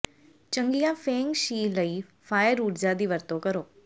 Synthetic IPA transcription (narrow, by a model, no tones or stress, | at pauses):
t͡ʃə̃ŋɡijãːfeːŋɡʃiːləiːfʰaːjəɾuːɾd͡ʒad̪iːʋəɾt̪õkəɾoː